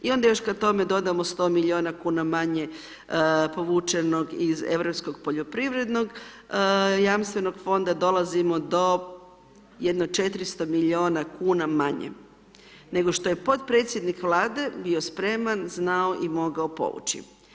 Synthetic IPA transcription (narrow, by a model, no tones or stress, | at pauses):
io̞nd̪ajo̞ʃkat̪o̞me̞d̪o̞d̪amost̪o̞ːmiʎio̞ːnakuːnamaɲe̞ | po̞ʋuːt͡ʃe̞no̞ɡizḛʋɾo̞psko̞ɡpoʎo̞pɾiʋɾe̞d̪no̞ɡ | jamst̪ʋe̞no̞ɡfo̞nd̪ad̪o̞lˠazimo̞d̪o̞ | jed̪noɡ̚t͡ʃe̞t̪ɾist̪o̞miʎioːnakuːnamaɲḛ | ne̞ɡo̞ʃt̪o̞je̞po̞t̪pɾe̞ːt̪sʲje̞d̪nikʋlˠaːd̪e̞bio̞spɾe̞manznaoʔimo̞ɡaopo̰ʋṵt͡ɕḭ